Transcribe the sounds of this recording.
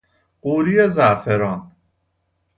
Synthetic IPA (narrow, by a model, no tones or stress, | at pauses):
ɢuːɾijezæʔfeɾɒːn